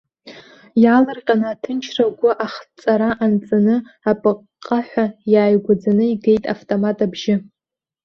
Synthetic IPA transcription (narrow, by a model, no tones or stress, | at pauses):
jalɨrqʲʼanaːtʰɨnt͡ʃʰraɡʷʊʔaχt͡sʼaɾaʔant͡sʼanɨapʼɨqʼːaħʷajaːjɡʷad͡zanɨiɡe̞jtʼa̰ftʼomatʼabʒɪ